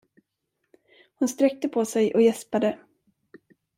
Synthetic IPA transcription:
hʊnst̪ɾɛk̚t̪əpʰɔsɛjʔɔjɛspad̪ə

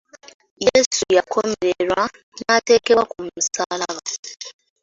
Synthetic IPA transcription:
jesujakʰomeɾeɾwa | natekeakum̩saːlaβa

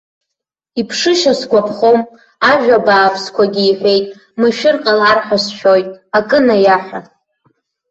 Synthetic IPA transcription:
ipʰʂɨʃasɡʷapʰχom | aʒᶣabaːpʰskʷʰaɡʲiːħʷᶣe̞jtʼ | mɨʃᶣɪrqʼalarħasʃᶣojtʼakʼɨnajaħʷᶣa

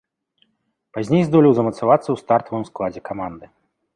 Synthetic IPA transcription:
pazʲnʲejzd̪ɔlʲiwzɐmɐt̪savat̪sːɐwst̪art̪ɐvɨmsklˠad͡zʲɛkamand̪ɨ

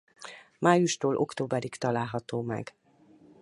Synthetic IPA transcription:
maːjuʃt̪oːlʔo̞̰kt̪oːbɛɾikt̪ɒlaːlɦɒt̪oːmɛ̰ɡ

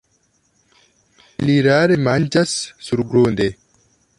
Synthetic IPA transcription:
liːɾaːɾemand͡ʒassuɾɡɾoːnd̪e

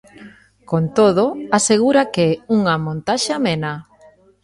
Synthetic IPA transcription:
kont̪oðoaseɣ̞uɾakeuŋamõnt̪aʃamena

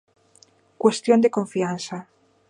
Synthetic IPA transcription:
kwest̪jond̪ekoɱfiansa

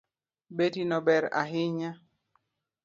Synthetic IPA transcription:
betinɔbɛɾa̰ɦɪɲa

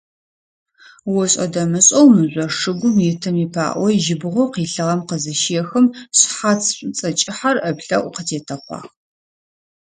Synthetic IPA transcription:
wɔɕʼɐ̰dɐmɨɕʼɐwmɨʑʷɔʂɨɡʷʊmjɪtʰɐmiːpʰa̰ːʔʷɔʒɪbɨʁʷɔqiːɬɨʁɐmqəzɐʃiɛxɨmɕħat͡sʰɕʼt͡sʼɐt͡ʃʼɪħarɐpɬɐ̰ʔʷqətʰeːtʰɐχʷɑ̰ːʁ

